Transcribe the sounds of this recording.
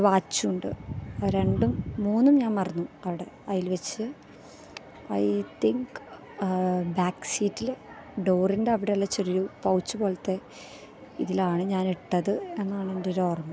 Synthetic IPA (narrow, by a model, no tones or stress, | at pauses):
ʋaːt͡ɕːuuɳɖɨ̰ɾe̞ɳɖumːuːnːumɲaːnɐrɐnːuɐʋiɽe̞ | ɐjilʋet͡ɕːɨ | ɐ̰jt̪iŋk | baːksiːtːil | ɖoːrindeɐʋiɽejɐlːɐt͡ɕːeriɾupɐwut͡ɕːupoːɭɐt̪ːe̞ | iðilaːɳɨɲaːniʈːɐðɨe̞nːaːɳendeɾoːrmɐ